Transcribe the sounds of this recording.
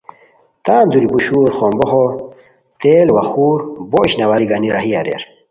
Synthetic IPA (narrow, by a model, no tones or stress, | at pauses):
t̪aːnd̪uɾipuɕuːɾχoːmboɦo | t̪eːlewɐxuːɾboːɕnɐwaɾiɡaniɾɐ̰ɦia̰ɾḛɾ